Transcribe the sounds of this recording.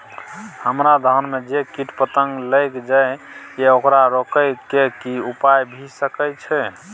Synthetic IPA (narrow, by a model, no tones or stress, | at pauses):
həmɾad̪ʱənmed͡ʒekiʈpət̪əŋɡləjkd͡ʒaj | jeokɾaɾokəkekiupajbʱisəkət͡ʃʰɛ